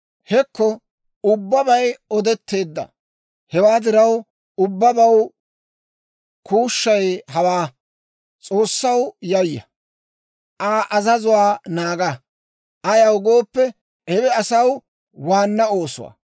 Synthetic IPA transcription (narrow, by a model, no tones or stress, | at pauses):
hɛkːɔ | ʊbːɐbɐjɔd̪ɛt̪ːe̞ːd̪ːɐ̰ | hɛwaːd̪ɪɾɐw | ʊbːɐbɐw | kʰuːʃːɐjhɐwaː | t͡sʼo̞ːsːɐwjɐjːɐ̰ | ʔaːʔɐzɐzʊwaːnaːɡɐ | ʔɐjɐwɡo̞ːpːɛ | ʔɛwɛɐsɐw | waːnːɐo̞ːsʊ̰wa̰